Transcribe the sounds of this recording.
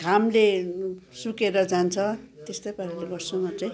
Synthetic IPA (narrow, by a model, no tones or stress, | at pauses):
ɡʱamle | sukeɾʌd͡zant͡sʰʌt̪est̪ʌjpaɾaleɡʌrsʰʌmʌt͡saj̃